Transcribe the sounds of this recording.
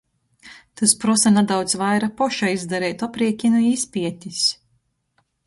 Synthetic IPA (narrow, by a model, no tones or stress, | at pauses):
t̪uspɾɔsanad̪awd̪zvajɾapɔʃaizd̪aɾɛjt̪ɔpɾiɛkʲinuispʲiɛt̪ʲis